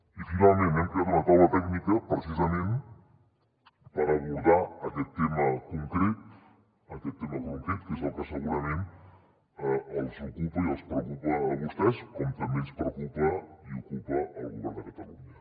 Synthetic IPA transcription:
ifinalˠmẽnɛmkɾeat̪unət̪awət̪ɛɡnikəpɾəsizəmẽn | pəɾəβ̞uɾðaːkɛt̪ːeməkuŋkɾet̪̚ | əkɛt̪ːeməkuŋkɾet̪̚kezəlˠkəsəɣuɾəmẽn | əlˠzukupəiəlˠspɾəkupəːβust̪ɛskɔmt̪əmbenspɾəkupəiukupəəlˠɣuβɛɾd̪əkət̪əluɲə

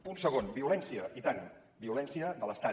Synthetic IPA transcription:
unsəɣ̞onbiulɛnsiəʔit̪an | biulɛnsiəðələst̪a

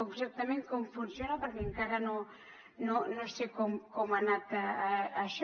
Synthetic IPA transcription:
oŋseɾt̪amenkomfʊnsjonapaɾmɪŋkaɾano | nonost̪ekokomanat̪aːʃ

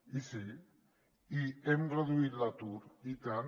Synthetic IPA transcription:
isi | iemɡraðuit̪lat̪uɾit̪an

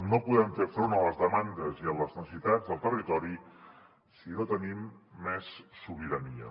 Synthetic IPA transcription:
nopuðɛmfefɾonələzðəmand̪əziəlləznəsəsit̪ad͡zðəlˠt̪ərit̪ɔɾi | sinot̪ənimːɛsːuβ̞iɾəniə̰

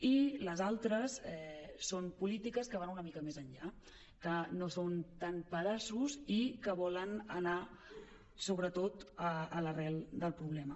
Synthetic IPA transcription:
iləzalˠt̪ɾəsɛsompulit̪ikəskəβanunəmikəmezəɲʎa | kənosont̪anpəðasuzikəβɔlənəna | soβ̞ɾət̪ot̪əːlərɛlˠd̪əlˠpɾuβ̞lɛmə

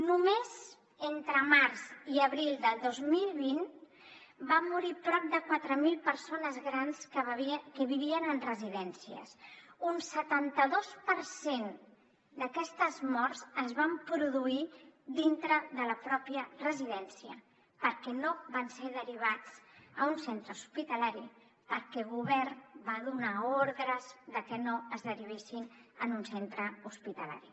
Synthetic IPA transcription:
numez | ent̪ɾəmaɾziəβɾilˠd̪əlˠd̪ozmilˠβin | bamːuɾipɾɔp̚d̪əkwat̪ɾəmilˠpəɾsonəzɣɾanskkəβiβiənənrəziðɛnsiə̰sunsət̪ant̪əðospəɾsen | d̪əkɛst̪əzmɔrzəzβampɾuðuid̪int̪ɾəðələpɾɔpiərəziðɛnsiə̰ | pəɾkɛnoβanseðəɾiβ̞at͡səunsent̪ɾəuspit̪əlaɾi | pəɾkɛɣuβɛɾnbaðunaoɾðɾəzðəkənoəzðəɾiβ̞esinənunsent̪ɾəuspit̪əla̰ɾi

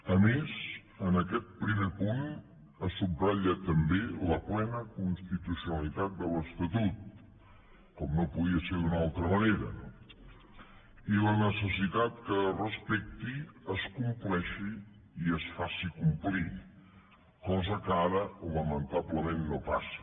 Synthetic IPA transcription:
əmez | ənəkɛt̪̚pɾimepun | əsubraʎət̪əmbeləplɛnəkunst̪it̪usjunəlit̪at̪̚d̪ələst̪ət̪ut̪̚ | kɔmnopuðiəseɾd̪unalˠt̪ɾəməneɾə̰ | ilənəsəsit̪at̪̚kərəspɛk̚t̪iəskumplɛʃiː | əsfasikumpli | kɔzəkaɾəoləmənt̪abləmennopas

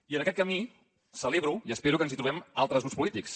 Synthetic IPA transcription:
iənəkɛt̪̚kəmi | səleβɾuiəspeɾukənzit̪ɾuβɛmalˠt̪ɾəzɣuspulit̪iks

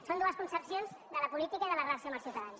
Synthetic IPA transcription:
sond̪uəskunsəpsionzd̪ələpulit̪ikəiðələɣlasjəmaɾsiut̪əðan

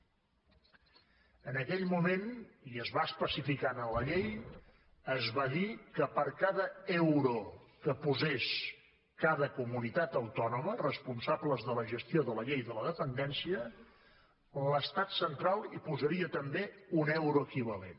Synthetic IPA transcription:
ənəkɛʎmumeniəzβaəspəsifikanələʎej | əzβaðikəpəɾkaðəɛwɾukəpuzes | kaðəkumunit̪at̪əwt̪ɔnumərəspunsabləzðələʒəst̪ioðələʎejðələðəpənd̪ɛnsiə | ləst̪at̪sənt̪ɾalˠipuzəɾiət̪əmbeunɛwɾuəkiβ̞əlen

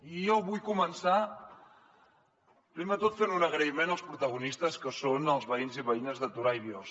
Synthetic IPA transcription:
ijoβujkumənsa | pɾimd̪ət̪ot̪feɾnunəɣ̞ɾəimenəlˠspɾut̪əɣunist̪əskəsonəlˠzβəinziβəinəzðət̪uɾajβjɔs

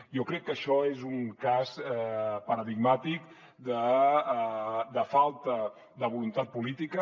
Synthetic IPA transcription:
jɔkɾɛkːəʃɔezuŋkazɛpəɾəðiɡmat̪ik | d̪ə | d̪əfalˠt̪ə | d̪əβulunt̪at̪̚pulit̪ikə

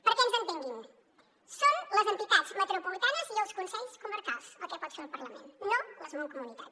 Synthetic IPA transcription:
pəɾkẽnzẽnt̪eŋɡim | sonləzɐ̃nt̪it̪ad̪zmət̪ɾopulit̪anɐziəlˠskunsɛʎskuməɾkalˠsɐkɛpɔt̪seɾulˠpɐɾlɐmḛ̃nt̪nolɐzmõwkumunit̪at̪

